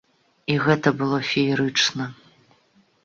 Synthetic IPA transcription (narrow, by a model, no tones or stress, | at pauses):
iɣɛt̪ɐbɨlˠɔfʲijɾɨt͡ʂnɐ